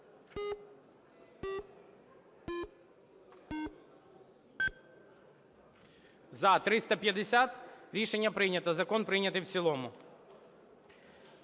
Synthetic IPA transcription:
zɐt̪ɾɪst̪ɐpʲjɐd̪ɪsʲat̪ɾʲiʂɛnʲːɐpɾɪnʲɐt̪ɐzɐkɔnpɾɪnʲɐt̪ɨjwsʲilˠomʊ

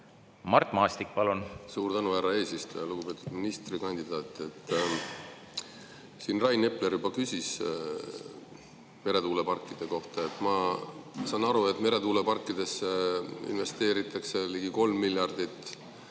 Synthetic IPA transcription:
mɑrt̪ːˑmɑːst̪ik̚pɑlunsuːɾt̪ænuhæɾɑe̞ːsist̪ojɑluɡ̥upe̞ːt̪ːˑud̪̥minist̪rikɑnʲd̪̥id̪̥ɑːt̪ːˑe̞t̪ːˑ | siːnrɑjne̞pleɾjubɑkysʲis | me̞ɾe̞t̪uːle̞pɑrkˑːid̪̥e̞ko̞ht̪ɑet̪ːˑmɑsɑnːɑɾue̞t̪ːˑme̞ɾe̞t̪uːle̞pɑrkːˑid̪̥e̞sːeḭnve̞st̪e̞ːɾit̪ːˑɑkse̞liɡiko̞lmːilːjɑrd̪̥it̪ːˑ

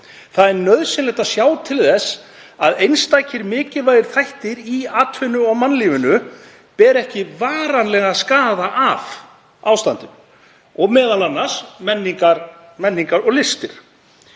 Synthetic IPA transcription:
θaðɛnnːœðsɪnlɛjht̪asjaːwt̪ʰɪlθɛsː | aðejnst̪aːjcʰɪɾmɪːcɪvaːjðɪɾ̥θajht̪ɪɾiaːt̪ʰvʏnʏɔɣmanːliːvʏnʏ | pɛɾɛhcɪvaːɾanlɛɣaskaːðaʔav | awst̪ant̪ʏm | ɔɣmɛːðalanːasmɛnːiŋkaɾmɛnːiŋkaɾɔɣlɪst̪ɪɾ̥

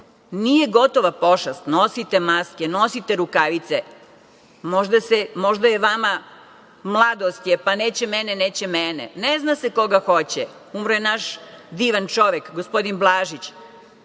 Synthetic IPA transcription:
nijeɡo̞t̪o̞ʋapo̞ʃast̪nosit̪emaskeno̞sit̪eɾukaʋit̪se | moʒd̪asemo̞ʒd̪ajeʋama | mlˠad̪ost̪jepaneːt͡ɕemɛneneːt͡ɕemɛnḛneznaseko̞ɡaxo̞t͡ɕɛ | umɾojenaʃd̪iːʋant͡ʃo̞ʋekɡospo̞d̪inblˠaːʒit͡ɕ

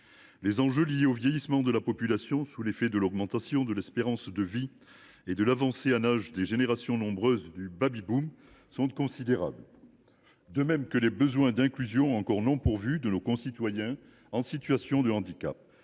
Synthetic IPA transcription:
lezɑ̃ʒølijeovjejismɑ̃d̪əlapɔpylasjɔ̃sulefɛd̪əlɔɡmɑ̃t̪asjɔ̃d̪əlɛspeʁɑ̃sd̪əvi | ed̪əlavɑ̃seanaʒd̪eʒeneʁasjɔ̃nɔ̃bʁøzd̪ybabibum | sɔ̃t̪kɔ̃sid̪eʁa̰bl | d̪əmɛmkəlebəzwɛ̃d̪ɛ̃klyzjɔ̃ɑ̃kɔʁnɔ̃puʁvyd̪ənokɔ̃sit̪wajɛ̃ | ɑ̃sit̪ɥasjɔ̃d̪əɑ̃d̪ika̰p̚

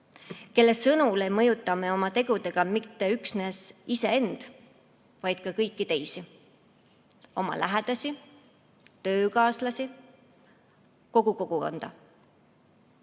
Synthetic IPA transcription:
ke̞lːe̞sɤnule̞jmɤjut̪ˑːɑme̞o̞mɑt̪e̞ɡ̥ud̪e̞ɡ̥ɑmit̪ːe̞yksne̞sise̞e̞nd̪̥ | vɑjd̪̥̚kɑkɤjkːˑit̪e̞jsi | o̞mɑ̰læɦed̪̥ɑsi | t̪ø̞ːkɑːslɑsʲi | ko̞ɡ̥uko̞ɡ̥uko̞̰nd̪̥ɑ̰

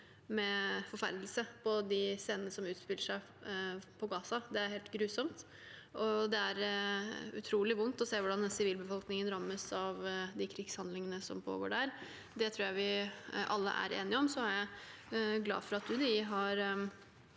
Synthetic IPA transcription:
mɛfɔɾfæ̰ɾd̪lsəpʰɔd̪ɪseːnənəsɔmʉːt̪spɪlːəʂæɪ | pʰɔɡɑːsɑd̪ɛæɾheːlt̪ɡɾʉːsɔmt̪ | ʔɔd̪ɛæɾ | ʉ̰t̪ʰɾuːlɪʋʊnt̪ɔseːʋʊɖɑnɛnsɪʋiːlbəfɔlknɪŋənɾɑmːəsɑʋd̪ɪkʰɾɪɡshɑnd̪lɪŋənəsɔ̰mpʰo̰ːɡo̰ːɖæɾ | d̪ɛt̪ʰɾuːɾjæɪʋɪʔɑlːə̰ʔæ̰ɾḛːnɪɔmsɔæɾjæɪ | ɡlɑ̰ːfɔɾɑt̪̚d̪ʉd̪ɪɦɑɾ

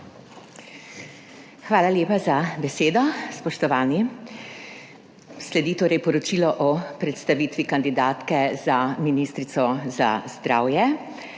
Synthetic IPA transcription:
xʋaːlaljeːpazabɛseːd̪ɔspɔʃt̪ɔʋaːni | slɛd̪it̪oːɾɛjpɔɾɔt͡ʃiːlɔʔɔpɾɛt̪st̪aʋiːt̪ʋikand̪id̪aːt̪kɛzaminiːst̪ɾit̪sɔza̰zd̪ɾaːwjɛ

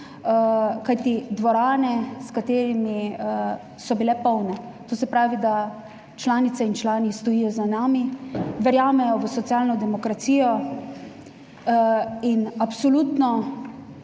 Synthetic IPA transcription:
kajt̪id̪ʋɔɾaːnɛskat̪eːɾimi | sɔbilɛpɔwnɛ | t̪oːsɛpɾaːʋid̪a | t͡ʃlaːnit̪sɛint͡ʃlaːnist̪ɔjiːjɔzanaːmiʋɛɾjaːmɛjɔʋəsɔt̪siaːlnɔd̪ɛmɔkɾat̪siːjɔ | inapsɔlut̪nɔ

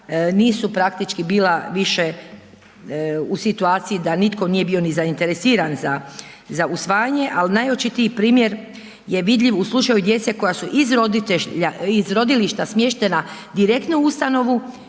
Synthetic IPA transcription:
niːsupɾak̚t̪it͡ʃkibiːlˠaʋiʃe | usit̪uaːt̪sijid̪anit̪ko̞nije̞bio̞nizaint̪e̞ɾesiːɾanza | zaʔusʋaːjaɲe̞ʔalnajot͡ʃit̪iipɾiːmje̞ɾ | je̞ʋid̪ʎʲiʋuslˠut͡ʃajud̪je̞t̪se̞ko̞jasuʔizɾod̪ieaizɾo̞d̪iliʃt̪asmje̞ʃt̪e̞nad̪iɾekt̪nuust̪ano̞ʋu

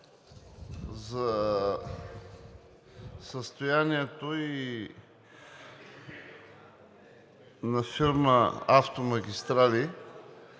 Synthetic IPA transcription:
zɐ | səst̪ojaniɛt̪oi | nɐfiɾməaft̪omɐɡʲist̪ɾali

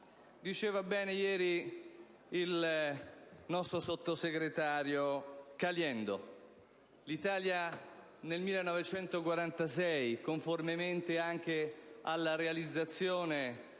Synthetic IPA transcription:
d̪it͡ʃɛːvabɛːnejɛːɾi | il | nɔst̪ɾosot̪ːoseɡɾet̪aːɾjokaljɛnd̪o | lit̪aːlja | nelmilːenɔvet͡ʃɛnt̪okwaɾant̪asɛjkoɱformement̪eaŋk̟ealːaɾealid̪zːat̪sːjoːne

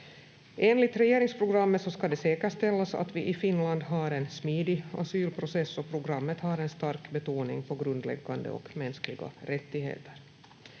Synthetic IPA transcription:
ʔeːnlɪt̪ɾɛjeːɾɪŋspʰɾʊɡɾamːət̪sɔskad̪ɛseːkəʂt̪ɛlːasa̰t̪vɪʔɪfɪnland̪ɦaɾɛnsmiːd̪ɪa̰syːlpʰɾʊsɛsːɔpʰɾʊɡɾamːət̪haɾɛnst̪aɾkbɛt̪uːnɪ̰ŋpʰɔɡɾɵnd̪lɛ̰ɡːand̪ə̰ɔ̰kmɛnsklɪɡa̰ɾɛt̪ːɪɦḛːt̪əɾ

